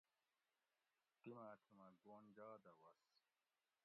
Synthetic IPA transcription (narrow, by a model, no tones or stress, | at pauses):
t̪imɐʈʰimɐɡoːnd͡ʑaːd̪ɐwɐs